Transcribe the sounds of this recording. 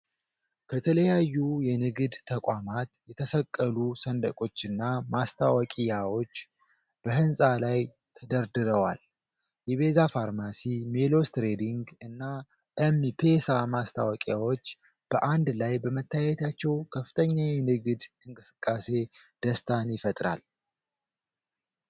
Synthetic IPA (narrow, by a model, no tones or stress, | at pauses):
kʰət̪ʰələjajːujɛnɨɡɨd̪t̪ʰːəkʷʼamat̪jɛt̪ʰəsəkʼːəlusənd̪əkʼo̞t͡ʃːɨnːamast̪ʰawəkʼijawo̞t͡ʃː | b̥əɦɨnsʼalaj | t̪ʰəd̪əɾd̪ɨɾəwa̰l | jɛβe̞zafaɾmasimelo̞st̪ɾed̪iŋɡɨnːa | ʔɛmipʰesamast̪ʰa̰wɔkʼijawo̞t͡ʃː | b̥əʔand̪lajbəmət̪ʰːajɛt̪ʰat͡ʃːɛwkʰəfɨ̥t̪ʰəɲːawɪnɨɡɨd̪ɨŋkʼɨsɨ̥kʼːase̞d̪̥əst̪ʰanjɪfət̪ʼɾa̰l